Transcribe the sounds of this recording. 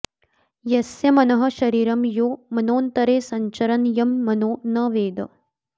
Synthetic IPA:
jɐsjɐmɐnɐɦɐ̆ʃɐɾiːɾɐmjoːmɐnoːnt̪ɐɾeːsɐɲt͡ʃɐɾɐnjɐmːɐnoːnɐʋeːd̪ɐ̰

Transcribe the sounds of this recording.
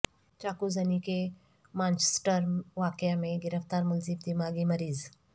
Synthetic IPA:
t͡ʃaːkuzɐnike | mãːnt͡ʃe̥sʈəɾʋaːkɪjamẽɡɪɾəft̪aːɾmʊlzɪbd̪imaːɡimɐɾiːz

